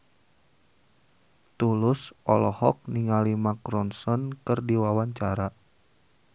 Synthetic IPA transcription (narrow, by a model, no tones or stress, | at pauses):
t̪ulʊsɔlɔhɔk̚niŋalimakɾɔnsɔnkɨrdiwawaɲt͡ʃaɾa